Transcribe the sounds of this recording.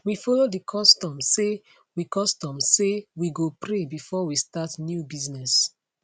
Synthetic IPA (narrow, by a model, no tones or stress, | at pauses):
wifɔlodikʰɔstɔ̃mse | wikɔstɔ̃msewiɡopɾebifɔwistatnjubiznɛs